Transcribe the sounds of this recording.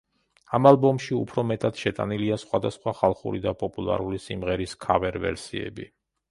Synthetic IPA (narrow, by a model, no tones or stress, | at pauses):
amalˠbɔmʃiṵpʰɾɔmɛt̪ʼad̪̥ʃɛt̪ʼa̰niliasχwad̪asχwaχalˠχṵɾid̪apʼɔpʼulˠa̰ɾulisimʁɛɾiskʰavɛɾvɛ̰ɾsiɛ̰bi